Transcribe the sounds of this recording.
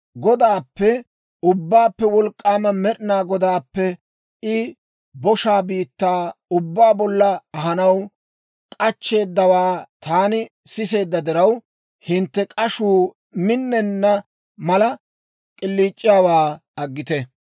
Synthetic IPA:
ɡɔd̪aːpːɛ | ʊbːaːpːɛwɔlkʼːaːmɐmɛɗɪnaːɡɔd̪aːpːɛ | ɪ | bɔʃaːbiːt̪ːaːʊbːaːbɔlːɐːɦɐnɐw | kʼɐt͡ʃːe̞ːd̪ːɐwaːt̪aːnɪ | sɪse̞ːd̪ːɐd̪ɪɾɐw | hɪnt̪ːɛkʼɐʃuː | mɪnːɛnːɐ | mɐlɐ | kʼɪlːiːt͡ʃʼːɪjaːwaː | ɐɡːɪt̪ɛ

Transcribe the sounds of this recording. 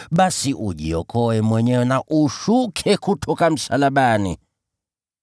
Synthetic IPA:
ɓasiʔṵʄiɔkʰɔɛmwɛɲɛwɛnaʔuʃukʰɛkutʰɔkam̩salaɓanḭ

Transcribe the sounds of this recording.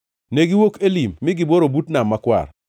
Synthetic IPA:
neɡiwokelimːɪɡɪboɾobutnamːakwa̰r

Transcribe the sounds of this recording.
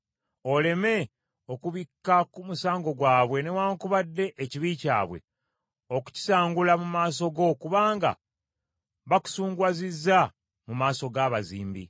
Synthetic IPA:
o̞le̞me̞ | o̞kuβikːakumusaːŋɡo̞ɡwaːβwe̞ne̞waːŋkuβadːe̞ʔːciβica̰ːβwḛ | o̞ku̥ci̥saːŋɡulamumaːs̬o̞ɡo̞kuβaːŋɡa̰ | βaku̥suːŋɡwazizːa | mumaːso̞ɡaːβazḭːmbḭ

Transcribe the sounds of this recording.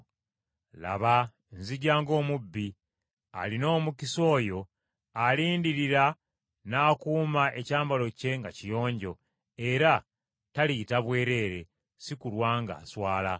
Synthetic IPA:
la̰βa | nziɟaːŋɡo̞ːmubːi | a̰lino̞ːmukiso̞ːjo̞ | aliːndiɾiɾa | naːkuːmaʔe̞caːmbalo̞ce̞ŋɡacijo̞ːɲɟo̞ | e̞ɾa | talitaβwe̞ːɾe̞ːɾe̞ | sikulwaːŋɡa̰ːswaːla

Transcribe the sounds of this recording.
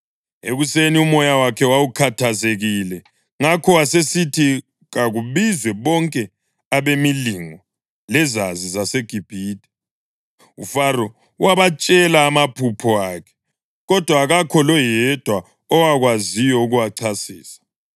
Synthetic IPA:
eɣuseniumɔjawakʰɛwawukʰatʰazeɣilɛ | ŋakʰɔwasesitʰi | ɣaɣuβizwɛβɔŋkʼɛ | aβemiliŋɔ | lɛzazizaseɡ̥ʱib̥ʱiːdʱʼɛ̥ | ṵfaɾɔ | waβat͡ʃʼɛlaːmapʰupʰɔaːkʰɛ̥ | ɣɔd̥ʱwaɣakʰɔlɔjɛd̥ʱwa | ɔwaɣwazijɔuɣuwaǀʰasiːsḁ

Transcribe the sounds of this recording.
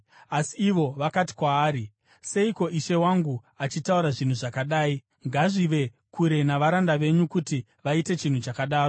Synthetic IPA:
asiːʋo̞ʋakati̥kwaːɾi | se̞iko̞ʔiʃe̞waŋɡu | at͡ʃitauɾaʐin̤uʐakaɗaːi | ŋɡaʐiʋe̞ | kuɾe̞naʋaɾandaʋe̞ɲukuti | ʋaite̞t͡ʃin̤ut͡ʃakaɗaːro

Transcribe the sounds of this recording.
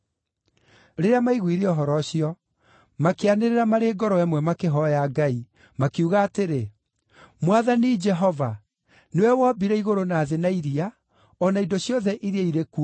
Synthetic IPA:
ɾeɾeamaiɣwiɾeɔɦɔɾɔɕijɔ | makeaneɾeɾamaɾeːɡɔɾɔɛmwɛmakeɦɔjaɡai | makiuɣaːteɾe | mwaðanid͡ʒɛɦɔva | newɛwɔbiɾɛiɣoɾonaːðenaiɾia | ɔnaidoɕjɔðɛʔiɾeaiɾeku

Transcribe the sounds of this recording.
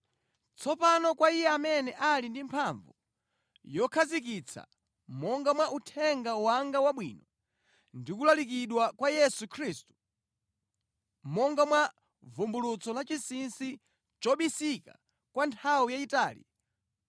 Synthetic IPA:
t͡sʰɔpanɔkwaijɛamɛnɛʔalindimpʰaɱvṵ | jɔkʰazik̬it͡sʰa̰ | mɔŋɡamwaʔutʰɛŋɡawaŋɡawaɓwḭːnɔ | ndikulalik̬iɗwakwajɛsukʰɾistu̥ | mɔŋɡamwa | vumbulut͡sʰɔlat͡ʃisinsi | t͡ʃɔɓisika̰ | kwantʰawijaitaːlḭ

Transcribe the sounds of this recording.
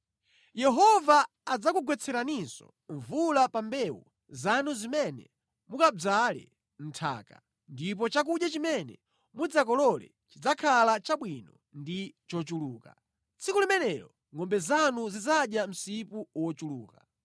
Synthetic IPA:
jɛɦɔvaː | d͡zakuɡwɛt͡sʰɛɾaninsɔ̰ | ɱvulapambɛwṵ | zanuzimɛnɛ̰ | mukad͡zalɛ̰ | n̩tʰa̰ːka̰ | ndip̬ɔt͡ʃak̬uɗjat͡ʃimɛnɛ̰ | mud͡zak̬ɔlɔlɛ̰ | t͡ʃid͡zakʰalat͡ʃaɓwinɔ | ndit͡ʃɔt͡ʃuluːka | t͡sʰikulimɛnɛɾɔ | ŋɔmbɛzanuzid͡zaɗjam̩sipuwɔt͡ʃuluːka

